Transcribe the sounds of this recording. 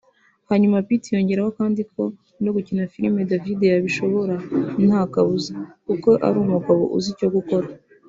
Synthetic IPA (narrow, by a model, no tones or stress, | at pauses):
haɲumapitijo̞ɲɟe̞ɾaho̞kaːndiko | no̞ɡucinafiɾime̞davide̞jaβiʃo̞βo̞ɾan̥haːkaβuzakuko̞ʔa̰ɾumuɡaβo̞̰ʔṵzico̞ɡuko̞ɾa